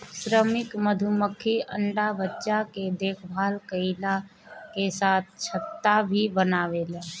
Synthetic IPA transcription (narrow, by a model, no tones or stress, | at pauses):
sɾəmɪkməd̪ʱuməkʰiə̰ɳɖabətːʃaked̪eːkʰbʱaːlkəɪla | kesaːt̪̚ʰt͡ʃʰət̪ːabʱibənaːʋeleː